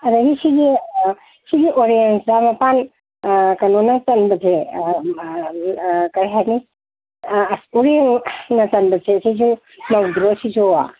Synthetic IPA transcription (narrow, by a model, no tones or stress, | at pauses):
ɐdɐɡisiɡi | siɡiʔoɾijensdamɐpan | kɐnonɐtɐnbɐtʰe | kɐɾɦani | soɾiennɐtɐnbɐtʰesizu | nawdɾosizoa̰